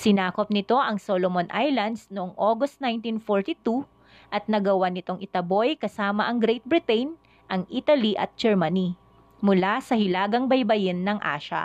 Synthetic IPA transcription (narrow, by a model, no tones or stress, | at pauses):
sɪnaːkop̚nɪt̪o̞ʔɐŋsolomonʔajlɐnd̪snoʔoŋʔoːɡost̪̚najnt̪infoɹt̪it̪u | ʔɐt̪̚nɐɡɐwanɪt̪o̞ŋʔɪt̪ɐbo̞jkɐsaːmɐʔɐŋɡɾɛjt̪̚bɹɪt̪ɛjn | ʔɐŋʔiːt̪ɐliʔɐ̰t̪̚d͡ʒɛɹmɐni | mʊlasɐhɪlaːɡɐŋbɐjbɐjɪnːɐŋʔa̰ːʃɐ̰